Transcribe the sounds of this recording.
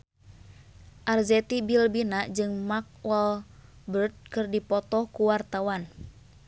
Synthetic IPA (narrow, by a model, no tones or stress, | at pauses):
ʔarzɛt̪ibilbinaʔd͡ʒɨŋmak̚wɔl | bərt̪̚kɨrdipɔt̪ɔhkuwart̪awan